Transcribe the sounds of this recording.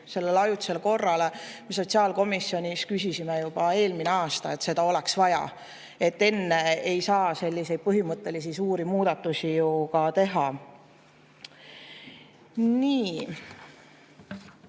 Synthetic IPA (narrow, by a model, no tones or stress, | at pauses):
se̞lːe̞lɑjut̪ːse̞lko̞rːɑlemeso̞t̪ʲsiɑːlko̞misːjo̞nʲiskysisimejub̥ɑe̞ːlmineɑːst̪ɑe̞t̪se̞d̪ɑo̞le̞ksvɑjɑ̰ | e̞t̪ːe̞nːe̞ejsɑːse̞lʲːise̞jd̥̪̚pɤɦimɤt̪ːˑe̞lis̬isuːɾimuːd̪̥ɑt̪ːˑusijukɑt̪e̞ɦɑ | niː